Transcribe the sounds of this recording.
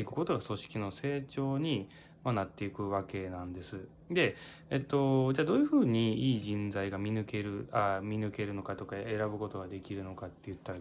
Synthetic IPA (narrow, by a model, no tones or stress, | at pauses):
ikɯ̟̥ko̞t̪o̞ɡaso̞ɕi̥kʲino̞se̞ːt͡ɕo̞ːɲ̟i | manat̪ːe̞ikɯ̟βake̞nãnd̪e̞sɨ | d̪e̞ | et̪ːo̞d͡ʑaːd̪o̞ːjɯ̟ɸɯ̟ːɲ̟iiːʑĩnd͡zaiɡamʲinɯ̟ke̞ɾɯ̟amʲinɯ̟ke̞ɾɯ̟no̞kat̪o̞kae̞ɾabɯ̟ko̞t̪o̞ɡad̪e̞kʲiɾɯ̟no̞kat̪ːe̞jɯ̟t̪ːaɾ